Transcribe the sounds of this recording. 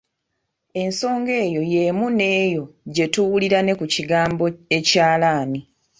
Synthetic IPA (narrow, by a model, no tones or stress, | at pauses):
e̞nso̞ːŋɡe̞ːjo̞je̞mune̞ːjo̞ɟe̞tuwuliɾane̞kuciɡaːmboe̞caːlaːni